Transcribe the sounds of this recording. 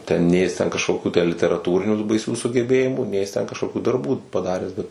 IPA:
ˈtʲɛn ˈnʲeː jɪs ˈtʲɛn kɐʃˈkoːkʲʊ tʲæː lʲɪtʲɛrɐˈtuːrʲɪnʲuː tuː bɐɪˈsʲuː sʊɡʲɛˈbʲeːjɪmuː ˈnʲɛɪ jɪs ˈtʲɛn kɐʃˈkoːkʲuː dɐrˈbuː pɐˈdɑːrʲæːs ˈbʲɛt

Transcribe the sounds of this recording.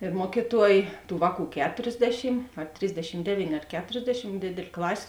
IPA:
ɪr ˈmuɔkʲiːˌtuɔj ˈtuː ˈʋɑːˌkuː ˈkʲæːtoːrʲzʲˌdʲæːʃʲɪm ɐ ˈtʲrʲɪzʲdʲɛʃʲɪm ˈdʲæːʋʲiːnʲeː ɐr ˈkʲæːtoːrʲzʲdʲɛʃʲɪm ˈdʲeːdʲeːlʲ ˈklˠɑːsʲeː

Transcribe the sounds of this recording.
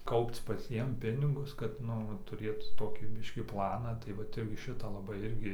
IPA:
ˈkɐʊpt͡s pɐˈt͡sʲiɛm ˈpʲɪnʲɪɡʊs kɐt ˈnʊ ʋɐ ˈtʊrʲeːt ˈtoːkʲiː ˈbʲɪʃʲkʲiː ˈplˠɑːnɑː tɐɪ ˈʋɐt ˈɪrʲɡʲɪ ʃʲɪtɑː lˠɐˈbɐɪ ˈɪrʲɡʲɪ

